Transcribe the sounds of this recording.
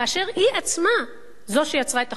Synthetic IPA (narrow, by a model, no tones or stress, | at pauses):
aʃe̞ʁhiʔat͡sma | zo̞ʃejat͡sʁaet̪a